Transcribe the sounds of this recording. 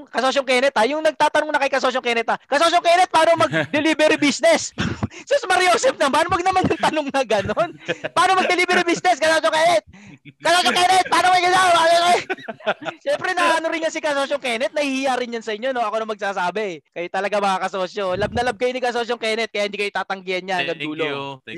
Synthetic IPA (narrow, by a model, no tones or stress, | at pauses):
ŋkɐsoːs̬joŋkɛnɛt̪ajʊŋnɐɡ̚t̪aːt̪ɐnoŋnɐkɐjkɐsoːs̬joŋkɛːnɛt̪ɐkɐsosjoŋkɛːnɛt̪̚paːnomɐɡ̚d̪ɛliːbɛɾibisnɛssosmɐɾioːsɛf̚nɐbaːnomɐɡnɐmɐnjʊŋt̪ɐnoŋnɐɡɐnonpaaːnomɐɡ̚d̪ɛliːbɛɾibisnɛskɐsosjoŋkɛːnɛt̪̚kɐsosoŋkɛnɛt̪̚paːnokɐjkɐlaao | ʃɛmpɾɛnɐʔanoɾɪnɲɐsɪkɐsosoŋkɛnɛt̪̚nɐhihijaɾɪnjɐnsɐʔɪɲːono̞ʔɐkonɐŋmɐɡ̚saːsaːbɛɛkɐjat̪ɐlɐɡamɐŋakɐsoːsjolɐb̚nɐlɐb̚kɐjonɪkɐsoːsoŋkɛːnɛt̪̚kɐjaʔhɪnd̪ikɐjojt̪aːt̪ɐŋɡɪjɐnɲanɐŋɡɐnd̪uːlo